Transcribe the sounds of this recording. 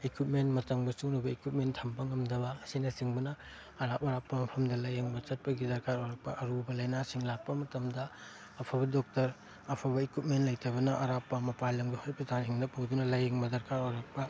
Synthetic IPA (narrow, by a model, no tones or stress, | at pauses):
ekwit̚mentmɐtɐŋbɐsunubɐekwit̚mentʰɐmbɐŋɐmdɐbɐːsinɐsiŋbɐnɐː | ɾapɐɾapːɐmɐpʰɐmdɐlɐjeŋbɐt͡ʃɐt̚pɐɡidɐɾkaɾojɾɐk̚pɐʔɐɾubɐlɐjnasiŋlak̚pɐmɐtɐmdɐ | ɐpʰɐbɐdɔk̚tɐɾ | ɐpʰɐbɐekwit̚mentlɐjtʰɐbɐnɐʔɐɾapːɐmɐpajlɐmɡihojpɾɐtansiŋdɐpowdunɐlɐjeŋbɐdɐɾkaɾojɾɐk̚pɐ